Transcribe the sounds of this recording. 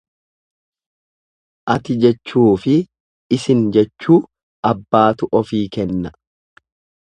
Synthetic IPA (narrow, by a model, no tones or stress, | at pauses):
ʔɐt̪ɪd͡ʒɛt͡ʃːuːfɪː | sɪnd͡ʒɛt͡ʃːuː | ɐbːaːt̪ʊʔɔfiːkɛnːɐ